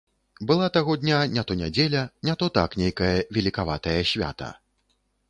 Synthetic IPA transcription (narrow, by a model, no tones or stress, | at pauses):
bɨlˠat̪aɣɔd̪ʲnʲanʲat̪ɔnʲad͡zʲelʲɐnʲat̪ɔt̪a̰knʲejkɐjɐvʲɛlʲikava̰t̪ɐjɐsʲvʲa̰t̪ɐ̰